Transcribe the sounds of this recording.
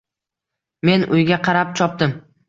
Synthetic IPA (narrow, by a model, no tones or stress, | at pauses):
me̞nʔʊjɡʲaqʰɑɾap̚t͡ʃʰɒp̚d̪ɪm